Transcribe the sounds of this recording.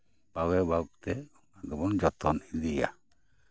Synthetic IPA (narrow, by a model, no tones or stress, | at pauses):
b̥awɛbauk̚t̪ɛ | d̪ɔbɔnd͡ʒɔt̪ɔnid̪ija̰